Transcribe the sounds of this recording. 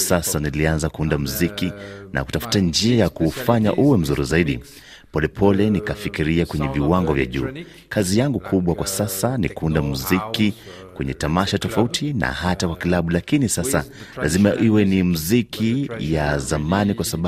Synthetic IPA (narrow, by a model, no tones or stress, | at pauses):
sasanilianzakuundam̩zikina̰ku̥tafu̥tand͡ʒiajakuːfaɲa̰ʔuwɛm̩zuɾizaiɗḭ | pɔlɛpʰɔlɛnikafikiɾiakwɛɲɛviwaŋɡɔvja̰ʄṵː | kʰazijaŋɡukʰuɓwakwasasanḭkuundamuziki | kwɛɲɛtamaʃatɔfautʰina̰hatakwakilaɓulakinisasalʔazimaʔiwɛnimuzikʰijazamanikwasaɓ